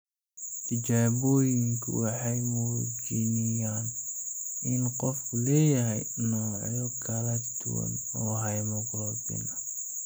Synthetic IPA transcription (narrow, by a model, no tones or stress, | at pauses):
t̪ʰɪd͡ʒaːbɔːjɪŋkʰʊ̰wɑħɑjmʊɣt͡ʃinɪjaːn | ɪnqɔfkʰulɛːjɐɦɛjnɔːʕjɔkʰɐlɐd̪ʊ̰wɐ̰n | ɔːɦɑjmɔɡɾɔbɪ̰nɐ